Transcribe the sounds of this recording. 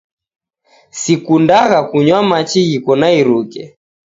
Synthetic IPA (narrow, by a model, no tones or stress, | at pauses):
sikundaɣakuɲwamat͡ʃiɣikɔnaiɾukɛ